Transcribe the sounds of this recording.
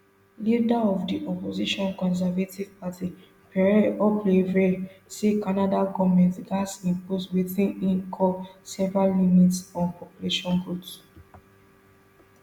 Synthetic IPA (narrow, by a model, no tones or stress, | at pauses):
lidaɔvdiʔɔpoziʃɔ̃nkɔ̃ns̬ɛvativ̥patʰi | pɔplevesekanadaɡɔvmɛ̃ntɡasĩmposwiθĩnĩŋkʰɔsɛvɹalːimitsɔ̃npʰɔpjuleʃɔ̃nɹut